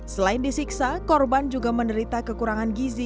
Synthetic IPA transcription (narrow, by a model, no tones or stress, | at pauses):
səlaɪndisiksakɔrband͡ʒuɡaməndəɾit̪akəkuɾaŋanɡizi